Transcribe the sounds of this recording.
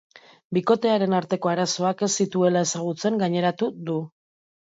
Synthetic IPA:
biko̞t̪e̞aɾe̞naɾt̪e̞ko̞aɾaso̞ake̞sit̪ue̞lae̞saɣ̞ut͡se̞ŋɡaɲe̞ɾat̪ud̪u

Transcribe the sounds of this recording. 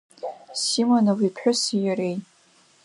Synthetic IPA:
simonawipʰħʷᶣʊsijaɾej

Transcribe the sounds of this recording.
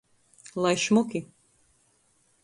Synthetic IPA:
lˠajʃmukʲi

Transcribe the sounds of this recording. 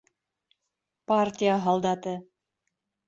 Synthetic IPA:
partʲijəɦɑlˠd̪ɑt̪ɤ

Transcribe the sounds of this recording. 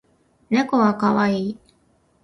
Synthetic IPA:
nekoβakaβaiː

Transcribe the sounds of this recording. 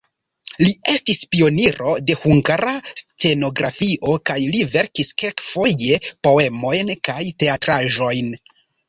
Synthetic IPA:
lie̞stispio̞niɾo̞de̞huŋɡaɾast͡se̞no̞ɡɾafiʔo̞kajlive̞ɾkiskelkfo̞je̞po̞e̞mo̞jnkajte̞atɾaʒo̞jn

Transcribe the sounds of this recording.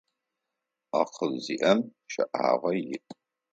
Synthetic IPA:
aqəlziʔɐmʃɐ̰ʔa̰ːʁɐjɪʔ

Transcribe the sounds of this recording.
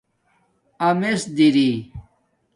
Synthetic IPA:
ɐmesd̪iɾi

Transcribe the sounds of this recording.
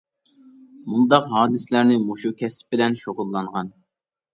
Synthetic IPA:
mund̪ɑqɦɑːd̪ɨslæɾnɪmoʃukʲʰɛsp̚bɪlɛnʃoʁʊlˠːɑɴʁɑn

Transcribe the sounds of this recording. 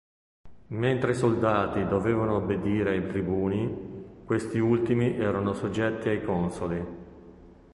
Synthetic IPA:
ment̪ɾeisold̪aːt̪id̪oveːvanoːbːed̪iːɾeajt̪ɾibuːnikwest̪iult̪imiʔɛːɾanosod͡ʒːɛt̪ːiajkɔnsoli

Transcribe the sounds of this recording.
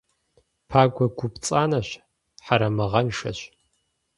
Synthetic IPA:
pʰaːɡʷɐɡʷʊpt͡sʼaːnɐɕ | ħaɾɐmɐʁɐnʂɐ̰ɕ

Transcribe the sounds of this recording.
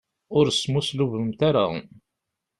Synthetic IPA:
ʊɾsmusluvəmt̪aɾa̰

